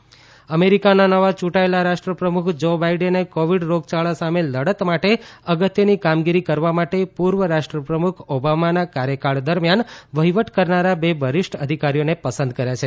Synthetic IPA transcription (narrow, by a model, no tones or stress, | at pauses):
əmeɾikananəʋat͡ʃũʈaelaɾaʃʈɾəpɾəmukʰd͡ʒobaiɖənekoʋiɖɾoɡ̚t͡ʃaɭasameləɽət̪maʈeəɡət̪jənikamɡiɾikəɾʋamaʈepuɾʋəɾaʂʈɾəpɾəmukʰobamanakaɾjəkaɭd̪əɾmjanʋəɦiʋəʈkəɾnaɾabebʱəɾɪʂʈə̰d̪ʱikaɾijonepəsənd̪kəɾjat͡ʃʰe